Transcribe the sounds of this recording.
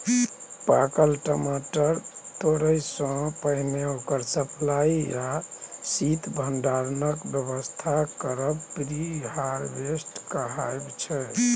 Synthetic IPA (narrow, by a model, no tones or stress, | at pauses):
pakəlʈəmaʈəɾt̪oɽəjsɔ̃pəɦmeokəɾsəpʰlaiasit̪bʱəɳɖaɾnəkbjəβəst̪ʰakəɾəbpɾiɦaɾbesʈkəɦajbt͡ʃʰɛ